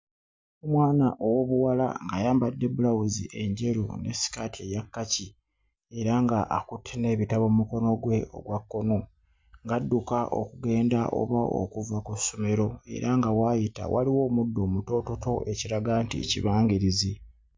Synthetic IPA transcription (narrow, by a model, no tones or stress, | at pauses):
omwaːnaʔowo̞βuwala̰ŋɡajaːmbadːe̞bulawuzḭʔe̞ɲɟe̞ɾo̰ne̞̰si̥katʰie̞jakːaci | e̞ɾaŋɡaʔːkutʰːene̞ːβitaβo̞muko̞no̞ɡwe̞o̞̰ɡwakːo̞no̞ | ŋɡadːukaʔo̰kuɡe̞ːndaʔo̰βao̰kuvakusomeɾo̞e̞̰ɾaŋɡawajita̰wa̰liwo̞ːmudːo̞ːmuto̞to̞to̞ʔe̞ciɾaɡantḭḛcḭβaːŋɡiɾizi